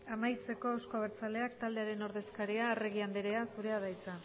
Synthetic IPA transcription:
amajt͡se̞ko̞owsko̞aβ̞eɾt͡sale̞akt̪ald̪e̞aɾe̞no̞ɾðe̞skaɾiare̞ɣ̞iand̪eɾe̞asuɾe̞að̞ajt͡sa

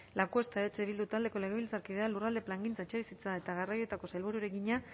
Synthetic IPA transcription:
lakuest̪aet͡seβild̪ut̪ald̪e̞ko̞le̞ɣe̞βilt͡saɾkiðealurald̪e̞plaŋɡint͡saet͡ʃe̞βisit͡sae̞t̪aɣarajoe̞t̪ako̞sajlβuɾuɾekiɲa

